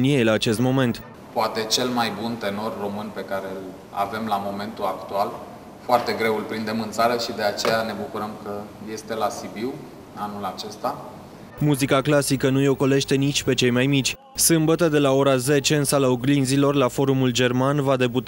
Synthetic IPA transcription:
niejlaːt͡ʃe̞st̪mo̞me̞nt̪ | poat̪e̞t͡ʃe̞lmajbunt̪e̞no̞rːo̞mɨnpe̞kaɾe̞l | a̰ve̞mlamo̞me̞nt̪uakt̪ual | foart̪e̞ɡɾe̞wulpɾind̪e̞mɨnt̪saɾəʃid̪e̞at͡ʃe̞jane̞bukuɾəmkəje̞st̪e̞lasibiw | anulat͡ʃe̞st̪a | muzikaklasikənujo̞ko̞le̞ʃt̪e̞nit͡ʃʲpe̞t͡ʃe̞jmajmit͡ʃʲ | sɨmbət̪əd̪e̞lao̞ɾaze̞t͡ʃe̞ɨnsalaoɡlinzilo̞rlafo̞ɾumuld͡ʒe̞rmanvad̪e̞but̪

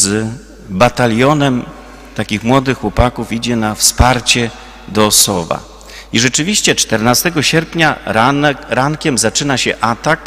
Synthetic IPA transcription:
z | bat̪alʲjɔnɛm | t̪akʲixmwɔd̪ɘxwɔpakufid͡ʑɛnafspaɾt͡ɕɛ | d̪ɔːsɔba̰ | iʐɛt͡ʂɘvʲiɕt͡ɕɛt͡ʂt̪ɛɾnast̪ɛɡɔɕɛɾpɲa | ɾaŋkʲɛmzat͡ʂɘnaɕɛʔat̪ak

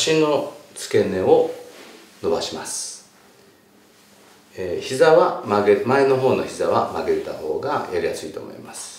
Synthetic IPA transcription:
ɕĩnːo̞t͡sɨ̥ke̞ne̞o | no̞baɕimasɨ̥ | eçizaβamaɡemaeno̞ɦo̞ːno̞çizaβamaɡeɾet̪aho̞ːɡajaɾijasɨiːt̪o̞̰ːmo̞̰ḭmasɨ̥

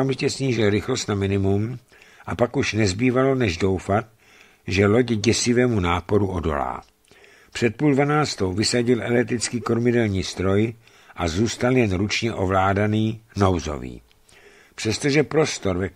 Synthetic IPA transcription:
oamʒɪcɛsɲiːʒɪlɾɪxlost̪namɪnɪmum | ʔapakuʃnɛzbiːvalo̞nɛʒdo̞wfat̪̚ | ʒɛlo̞ɟɟɛsɪvɛːmunaːpo̞ɾuʔo̞do̞̰la̰ː | pr̝̥ɛt̪̚puːldvanaːt͡st̪o̞wvɪsaɟɪlʔɛlɛt̪ɾɪt͡skiːko̞ɾmɪdɛlɲiːst̪ɾo̞j | ʔazuːst̪aljɛnɾut͡ʃɲɛʔo̞vlaːdaniːno̞wzo̰vḭː | pr̥ɛst̪oʒɛpɾo̞st̪o̞ɾvɛ

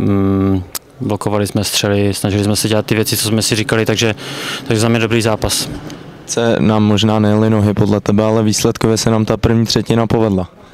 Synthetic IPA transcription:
blokovalɪsmɛst̪r̥ɛlɪsnaʒɪlɪsmɛsɛɟɛlat̪t̪ːɪvjɛt͡sɪt͡sozmɛsɪɾikalɪt̪aɡʒɛt̪aɡʒɛzamɲɛdobɾiːzaːpas | t͡sɛnaːmːo̞ʒnaːnɛjɛlɪno̞ɦɪpodlɛt̪ɛbɛalɛviːslɛt̪kovjɛsɛnaːmt̪apr̩vɲiːt̪r̝̥ɛcɪnapo̞vɛdla

